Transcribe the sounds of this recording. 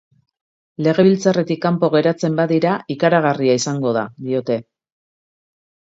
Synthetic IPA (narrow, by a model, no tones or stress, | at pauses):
le̞ɣe̞βilt͡sare̞t̪ikːampo̞ɣe̞ɾat͡se̞mbaðiɾaikaɾaɣ̞ariaisaŋɡo̞ða̰d̪io̞t̪e̞